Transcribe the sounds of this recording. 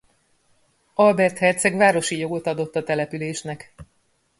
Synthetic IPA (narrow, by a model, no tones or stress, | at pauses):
ɒlbɛrt̪hɛrt̪sɛɡʋvaːɾo̞ʃijo̞ɡo̞t̪ɒd̪o̞t̪ːɒt̪ɛlɛpyleːʃnɛk